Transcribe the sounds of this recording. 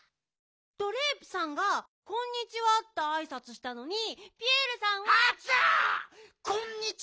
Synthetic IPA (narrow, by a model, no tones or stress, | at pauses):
t̪o̞ɾe̞ːpɯ̟̥sãŋɡa | kõ̞ɲ̟ːit͡ɕiβat̪ːaːisat͡sɨɕi̥t̪ano̞ɲ̟ipʲieɾɯ̟sãɰ̃βaa | kõɲːi